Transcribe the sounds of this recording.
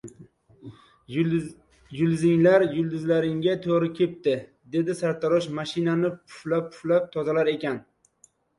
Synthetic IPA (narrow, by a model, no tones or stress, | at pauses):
jʊlˠzɪŋlaɾjʊlˠd̪ɪzlaɾɪŋɡʲat̪ʰoɾɪkʲʰe̞p̚t̪ɪ | d̪e̞d̪ɪsaɾt̪ʰaɾɒʃmaʃɪnanɪpʰʊ̥flap̚ʰʊ̥flap̚t̪ʰɒzalaɾe̞kʲan